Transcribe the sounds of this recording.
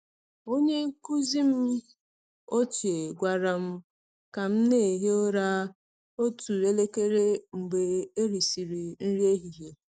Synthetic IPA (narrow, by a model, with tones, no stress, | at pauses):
o˦ɲe˦ŋ̩˦ku˦zi˦m̩˦ | o˦t͡ʃe˨ɡʷa˨ɾa˨m̩˦ | ka˨m̩˦ne˦˨ɦe˦o˦ɾa˦ | o˦tu˨e˦le˦ke˦ɾe˦ŋ͡m̩˨ɡ͡be˨e˦ɾi˨si˨ɾi˨n̩˦ɾi˦e˦ɦi˨ɦe˦